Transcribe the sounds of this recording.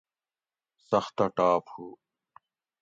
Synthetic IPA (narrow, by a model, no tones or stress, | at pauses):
səxt̪aːʈaːphuː